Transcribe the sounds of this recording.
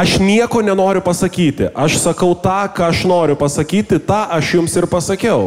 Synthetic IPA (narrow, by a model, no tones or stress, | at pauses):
ɐʃnʲiɛkoːnʲɛnoːɾʲʊpɐsɐkʲiːt̪ʲɪ̰ʔɐʃsɐkɐʊt̪ɑːkɑːɐʃnoːɾʲʊpɐsɐkʲiːt̪ʲɪt̪ɑːʔɐʃjʊmsɪrpɐsɐkʲɛʊ